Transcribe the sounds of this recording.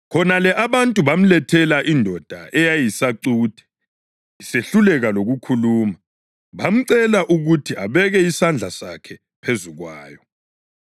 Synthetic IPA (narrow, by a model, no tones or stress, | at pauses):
kʰɔnalɛʔaβantʼuβam̩lɛtʰɛlaʔindʱɔd̥ʱa̰ɛjajisaǀuːd̥ʱɛ̥ | iseɬulɛɣaloɣukʰuluːma | βam̩ǀɛlaʔuɣutʰiʔaβɛɣɛisand͡ɮʱasa̰kʰɛ | pʰezuɣwa̰ːjɔ